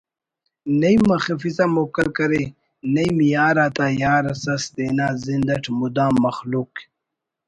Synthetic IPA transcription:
nɐjmɐxifizamokəlkɐɾe | nɐjmjaːɾaːt̪ãːjaːɾasɐsd̪enaːzind̪ɐʈmud̪ãːmɐxluk

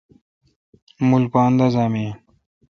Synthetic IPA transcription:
mulpaːnd̪azaːmije

